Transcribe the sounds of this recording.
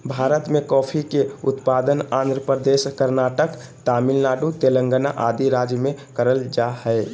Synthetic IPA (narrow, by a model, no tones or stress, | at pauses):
bʱaːɾət̪mekɔːpʰikeut̪pad̪ənãːnd̪ɾəpəd̪eskəɾnaʈək | t̪amilnaːɖut̪elə̃ŋɡəna̰ʔad̪iɾad͡ʒjəmẽkəɾəld͡ʒahəɪ